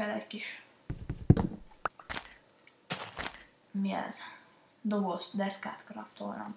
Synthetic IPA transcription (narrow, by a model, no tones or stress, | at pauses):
ɛlɛɟkiʃ | miɛ̰z | d̪obosd̪ɛska̰ːt̪kɾɒft̪o̰ːlɒ̰n